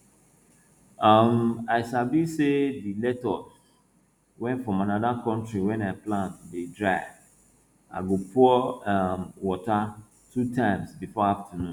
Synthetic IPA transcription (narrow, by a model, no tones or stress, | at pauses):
amaɪsabisedilɛtɔs | wɛ̃ntfɹɔ̃manadakɔ̃ntɹiwɛ̃naɪplãntdedɹaɪ | a̰ɡopʰuɔamwɔta | tʰutʰãɪ̃msbifɔaftanũn